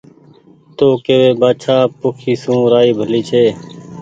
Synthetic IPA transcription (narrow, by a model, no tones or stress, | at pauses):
t̪oːkeːʋeːbaːt͡ʃʰaːpʊkʰiːsũːɾaːiːbʱəliːt͡ʃʰeː